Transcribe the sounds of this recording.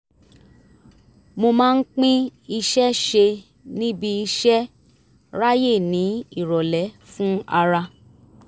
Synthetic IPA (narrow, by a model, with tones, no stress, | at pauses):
mo˧mãː˦n̩˦k͡pĩ˦i˧ʃɛ˦ʃe˧ | nĩ˦bi˧i˧ʃɛ˦ | ɾa˦je˦˨nĩ˨˦i˦˨ɾɔ˨lɛ˨˦fũ˦a˧ɾa˧